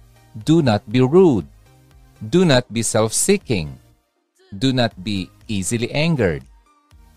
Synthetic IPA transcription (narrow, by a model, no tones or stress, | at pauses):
d̪unat̪̚biɹud̪̚ | d̪unat̪̚bisɛlfsikɪ̃ŋ | d̪unat̪̚bi | ʔiziliʔæ̃ŋɡəɹd̪̚